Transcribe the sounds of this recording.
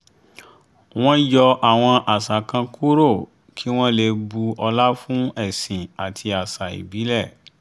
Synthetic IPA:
w̃ɔ̃˦jɔ˧ʔa˨w̃ɔ̃˧ʔa˨sa˨kã˧ku˦ɾo˦˨ | kʰi˦w̃ɔ̃˦le˧bu˧ɔ˧la˦fũ˦ɛ˦˨sĩ˨a˨tʰi˧a˨sa˨ḭ˨bi˨˦lɛ˦˨

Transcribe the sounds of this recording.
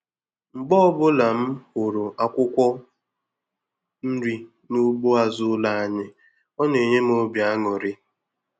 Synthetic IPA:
ŋ͡m̩˨ɡ͡bɔ˦bʊ˦la˨m̩˦hʊ˨ɾʊ˨ʔa˨kʷʊ˦kʷɔ˦ | n̩˦ɾi˦ | nu˦ɡ͡bo˦a˨zʊ˦la˦˨a˨ɲɪ˦ | ɔ˦ne˨ɲe˦m˦o˦bja˦ŋɔ˨ɾɪ˦

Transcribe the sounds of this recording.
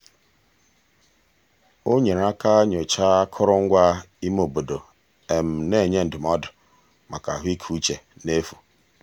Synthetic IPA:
o˦ɲe˨ɾa˦ka˦ɲo˨t͡ʃa˦kʰʊ˦ɾʊ˦ŋ̩˦ɡʷa˦ | i˦m˦o˨bo˨do˨ | e˨m̩˨ne˦˨ɲe˦n̩˨dʊ˨mɔ˦dʊ˨ | ma˨ka̰˨ɦʷi˦kʰu˦t͡ʃe˨ne˦fu˨

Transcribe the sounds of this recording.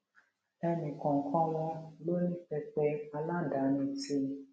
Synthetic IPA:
ɛ˧nĩ˨kɔ̃˨ŋ̩˨kʰɔ̃˦w̃ɔ̃˧lo˦nĩ˦fɛ˧k͡pɛ˧˦a˧la˦˨da˨˦nĩ˧ti˦

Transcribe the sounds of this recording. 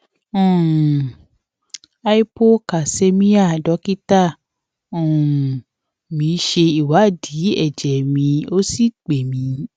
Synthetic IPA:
ũ˨ | a˦i˦po˦ka˨se˦mĩ˦a˦˨dɔ˨˦ki˦ta˦˨ | ũ˨ | mĩ˨˧˦ʃe˧i˨wa˨˦˨di˨˦ɛ˦˨d͡ʒɛ˨mĩ˧o˦si˦˨k͡pe˨mĩ˨˧˦

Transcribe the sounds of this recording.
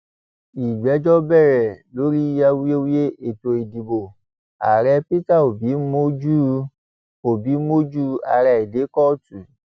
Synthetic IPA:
i˨ɡ͡bɛ˨˦d͡ʒɔ˦bɛ˦˨ɾɛ˨lo˨˦ɾi˦a˧wi˦e˦wi˦je˦e˨to˧i˨di˨bo˨ | a̰˨ɾɛ˧˦pi˦ta˦˨o˨bi˨˦mo˦d͡ʒu˦ | o˨bi˨˦mo˦d͡ʒu˦a̰˧ɾɛ˨˧i˨de˨˦kɔ˦˨tu˨

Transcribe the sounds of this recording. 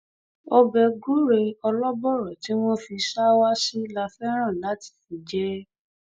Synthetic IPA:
o˧bɛ˧ɡu˦ɾe˧ɔ˧lɔ˦bɔ˦˨ɾɔ˨ti˨˦w̃ɔ̃˦fi˧ʃa˦wa˦si˦la˧fɛ˦ɾ̃ã˦˨la˨˦ti̥˦˨fi˨d͡ʒɛ˦

